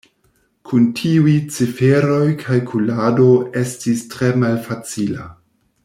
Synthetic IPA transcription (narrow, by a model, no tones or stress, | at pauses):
kʰuntʰiujt͡sifeɾo̞jkʰajkʰulado̞e̞stistɾe̞malfat͡sila